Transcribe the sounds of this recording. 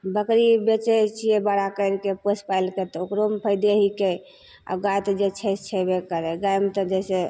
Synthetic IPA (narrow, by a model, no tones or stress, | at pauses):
bəkɾibet͡ʃet͡ʃʰiebəɽakəɾkepəspaɪlket̪ɔokɾompʰəɪd̪eɦike | a̰ɡajt̪d͡ʒet͡ʃʰɛt͡ʃʰɛbekəɾɛɡajmt̪əd͡ʒɛse